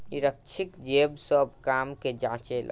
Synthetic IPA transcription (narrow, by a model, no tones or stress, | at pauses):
niɾəkt͡ʃʰikd͡ʒebsəbkamked͡ʒãt͡ʃela̰